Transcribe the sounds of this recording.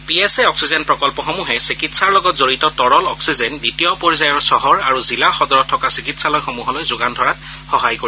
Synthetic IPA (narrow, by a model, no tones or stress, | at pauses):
piɛsɛɔksizɛnpɹɔkɔlpɔxomuɦɛsikitsaɹlɔɡɔtzoɹitɔtɔɹɔlɔksizɛnditijɔpɔɹizajɔɹsɔɦɔɹaɹuzilaxɔdɔɹɔtʰːɔkasikitsalojxomuɦɔlɔjzʊɡandʱɔɹat̚ | xɔɦajkoɹi